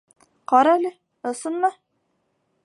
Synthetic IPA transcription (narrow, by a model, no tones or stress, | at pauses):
qɒɾɑælɘ | ŏsɤnmɤ